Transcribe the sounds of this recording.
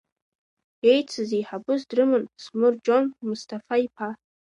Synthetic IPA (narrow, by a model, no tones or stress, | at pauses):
e̞jt͡sʰɨzeħabɨzdrɨmɨnsmɨrd͡ʒo̞nmʊstʰafaipʰa